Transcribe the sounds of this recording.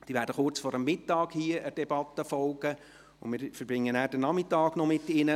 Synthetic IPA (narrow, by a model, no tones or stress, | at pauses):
d̥iːʋæːɾdəχʊrt͡sfɔɾəmːɪtːɑːɡhiːəʔəd̥ɛb̥ɑt̪ːəfɔlˠɡ̥ə | ʊ̰nmɪːɾfəɾbɪŋːənæːɾd̥ənɑmɪtːɑːɡ̥nɔmɪtːɪnə